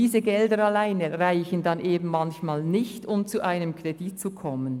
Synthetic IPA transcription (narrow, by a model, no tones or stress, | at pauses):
iːzəɡɛldəɾɑlaɪnəʁaɪçən̩dɑnʔeːbm̩mɑnçmaːlnɪçtʊmt͡suʔaɪnəmkʁ̥edit̚t͡sukʰɔmən